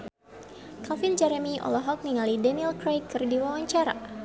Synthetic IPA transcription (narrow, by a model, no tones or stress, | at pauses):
kalfind͡ʒɛɾɛmiʔɔ̰lɔɦɔk̚niŋalidɛnilkɾajkːɨrdiwawaɲt͡ʃaɾa̰